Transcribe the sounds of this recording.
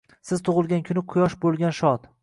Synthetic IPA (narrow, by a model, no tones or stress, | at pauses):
sɪz̥t̪ʰʊʁɨlˠɡʲankʲʰʊnɪqʰʊjɒʃbolˠɡʲanʃɒt̪